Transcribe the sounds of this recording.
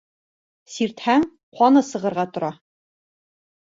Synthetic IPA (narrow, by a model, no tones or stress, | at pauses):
siɾt̪hæŋ | qɑnɤsɤ̆ʁɤ̆ɾʁɑt̪ŏɾɑ